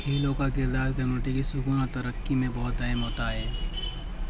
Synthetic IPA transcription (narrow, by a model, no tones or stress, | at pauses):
kʰeːlõkak̬ɪɾd̪aːɾkɐmjuːnɪʈikisʊpuːnɔɾt̪ɐɾəkːimẽbɔːʊt̪ɐɦɛmɦoːt̪aɦɛː